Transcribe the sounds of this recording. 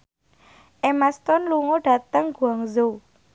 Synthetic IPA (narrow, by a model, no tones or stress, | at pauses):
ʔemast̪ɔnluŋoɖ̥a̤t̪əŋɡ̥uaŋzo